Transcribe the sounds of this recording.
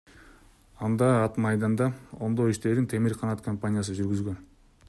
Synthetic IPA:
ɑnd̪ɑːt̪mɑjd̪ɑnd̪ɑo̞nd̪o̞iʃt̪e̞ɾd̪ɪnt̪ʰe̞mɪɾqʰɑnɑt̪kʰompanʲɪjasɯʒyɾɡyzɡø̞n

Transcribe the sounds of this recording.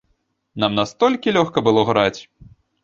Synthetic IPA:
namnast̪ɔlʲkʲilʲɔxkɐbɨlˠɔɣɾat͡sʲ

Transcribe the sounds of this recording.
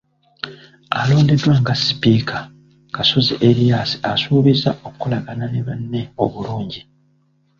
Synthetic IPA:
a̰lo̞ːnde̞dwaːŋɡasi̥piːkʰa | kaso̞ziʔeɾijaːsi̥asuːβizaʔo̞kkulaɡananeβanːe̞o̞βuluːɲɟi

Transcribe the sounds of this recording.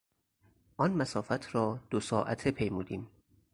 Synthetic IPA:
ʔɒnmæsɒːfæt̪ʰɾɒːd̪̥osɒːʔæ̰t̪ʰepʰe̞jmuːd̪iːm

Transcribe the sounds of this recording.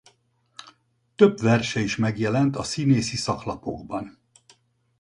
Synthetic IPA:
t̪øbʋɛrʃɛiʃmɛɡjɛlɛnt̪ɒsineːsisɒklɒpo̞̰ɡbɒn

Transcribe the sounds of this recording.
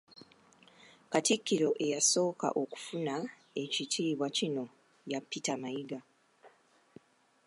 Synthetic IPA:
katikːiɾo̞ʔe̞jaso̞ːka̰ʔo̞ku̥funa | e̞citʰiːβwacino̞ | japːitamaiɡa

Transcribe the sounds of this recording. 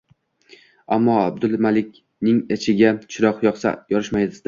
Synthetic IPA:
amːɒab̚d̪ʊlˠmalɪkʲ | nɪŋet͡ʃʰɪɡʲat͡ʃʰɪɾɒqjɒqsa̰jɒɾɪʃmajd̪ɪzd̪ɪ

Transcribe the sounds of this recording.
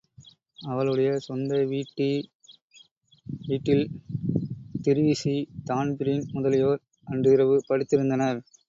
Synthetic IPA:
ɐʋɐɭɯɽɐjɐsɔnd̪ɐʋiːʈːi | ʋiːʈːɪl | t̪ɪɾɯʋɪsit̪aːnbɪɾɪŋmʊðɐlɪjoːɾ | ʔɐndrɯɪɾɐʋɯpɐɽɪt̪ːɪɾɯnd̪ɐnɐɾ

